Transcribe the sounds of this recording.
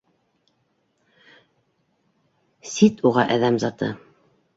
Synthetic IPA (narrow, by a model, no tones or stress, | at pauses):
sit̪uʁɑʔæðæmzɑt̪ɤ̰